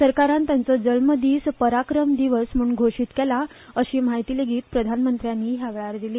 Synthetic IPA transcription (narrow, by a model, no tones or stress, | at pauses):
səɾkaɾãnt̪jant͡sɔd͡zəlməd̪iːspəɾakɾəmd̪iʋəsm̤uːɳɡʱoʂiːt̪kɛlaəɕiːmaɦit̪iːleɡʱiːt̪pɾəd̪ʱanmənt̪ɾjanːiːɦjaʋɛɭaɾd̪iliː